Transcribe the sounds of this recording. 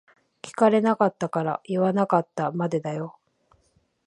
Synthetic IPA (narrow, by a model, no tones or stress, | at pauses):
kʲi̥kaɾe̞nakat̪ːakaɾa̰iβanakat̪ːamad̪e̞d̪ajo̞